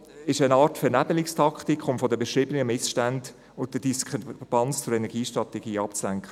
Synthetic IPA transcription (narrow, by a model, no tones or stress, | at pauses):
ɪʃənɑːtfɛnæbəlɪkstʰɑktikχʊmfɔdəbɛʃɾiːbənəmɪsʃtænd | ʊn̚d̥əd̥iskʁpʰɑnt͡st͡sʊɾɛnɛɾɡ̥iːʃtʁɑtɛɡiːɑpt͡slæŋkʰχə